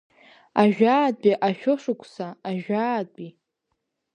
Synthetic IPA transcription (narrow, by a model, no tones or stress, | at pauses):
aʒᶣaːd̚bʼiʔaʃᶣʊʂɨkʷʰsaːʒᶣaːd̚bʼi